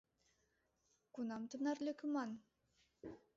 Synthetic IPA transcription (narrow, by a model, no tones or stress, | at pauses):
kunɑmt̪ɤnɑrlʲekʲumɑn